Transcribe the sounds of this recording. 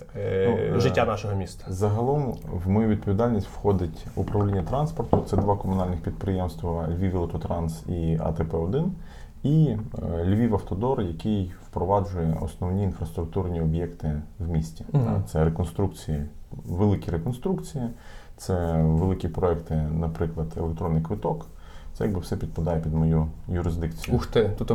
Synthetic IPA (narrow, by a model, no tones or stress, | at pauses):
nuɪtʲːanɑʃɔɦɔmʲist̪ɐ̥zɐɦɐlˠɔmʋmɔjuʋʲid̪̚pɔʋʲid̪ɑlʲnʲisʲtʲwxɔd̪ɪtʲupɾɐwlʲinʲːɐt̪ɾɑnspɔrt̪ʊt̪sɛd̪ʋɑkɔmʊnɑlʲnɪxpʲid̪̚pɾɪjɛmst̪ʋɐlʲʋʲiʋʲilˠt̪ɔt̪ɾɑnsiɐ̰t̪ɛpɛɔd̪ɪn | ilʲʋʲiʋɐft̪ɔd̪ɔrjɐkɪjwpɾɔʋɑd͡ʒʊjɛɔ̰snɔwnʲiːnfɾɐst̪ɾʊk̚t̪urnʲiɔbʲjɛkt̪ɪwmʲisʲtʲiat̪sɛɾekɔnst̪ɾukt͡sʲijɐʋelˠɪkʲiɾekɔnst̪ɾukt͡sʲijɐ | t̪sɛʋelˠɪkʲipɾɔɛkt̪ɪnɐpɾɪklˠɐd̪elekt̪ɾɔnːɪjkʋɪt̪ɔk | t̪sɛjɐɡ̚bɨwsɛpʲid̪̚pɐd̪ɑjɛpʲid̪mɔjujʊɾɪzd̪ɪkt͡sʲijʊuʃt̪ɛt̪ut̪